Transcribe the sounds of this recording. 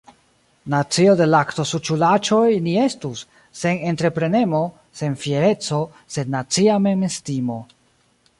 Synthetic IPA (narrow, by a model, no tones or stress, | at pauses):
nat͡siode̞lakto̞sut͡ʃulat͡ʃo̞jnie̞stusː | e̞nentɾe̞pɾe̞ne̞mo̞ | se̞nfieɾe̞t͡so̞ | se̞dnːat͡siame̞mestimo̞